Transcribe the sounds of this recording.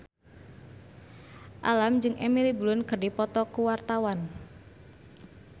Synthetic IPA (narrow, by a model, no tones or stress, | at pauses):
ʔalamd͡ʒɨŋʔemilibulʊnkərdipɔt̪ɔkuwart̪awan